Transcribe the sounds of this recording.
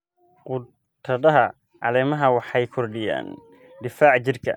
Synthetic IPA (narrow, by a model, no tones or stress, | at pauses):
qʊ | t̪ʰɐd̪ɐɦɐ | ʕɑ̰lɛmɐɦɐwɑħɑjkʰɔrɖɪja̰ːn | d̪ɪfaːʕt͡ʃɪrkʰɐ̰